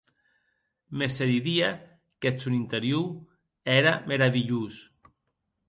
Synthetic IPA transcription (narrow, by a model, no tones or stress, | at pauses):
meseðiðia | ket͡sunint̪eɾju | ɛɾameɾaβiʎus